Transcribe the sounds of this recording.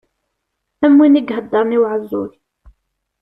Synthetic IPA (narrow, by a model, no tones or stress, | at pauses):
æmwiniɡɦəd̪ːəɾˤniwʕəzːʊ̰l